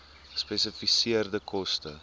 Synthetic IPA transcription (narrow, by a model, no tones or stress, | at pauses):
spɛsəfisiərdəkʰɔstə